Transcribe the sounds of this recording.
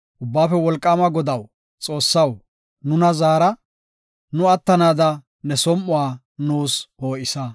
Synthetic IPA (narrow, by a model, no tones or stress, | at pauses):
ʔʊbːaːfɛwɔlkʼːaːmɐɡɔd̪ɐw | t͡sʼo̞ːsːɐw | nʊnɐzaːɾɐ | nʊɐt̪ːɐnaːd̪ɐ | nɛsɔmʔʊwaː | nuːsoːʔɪsɐ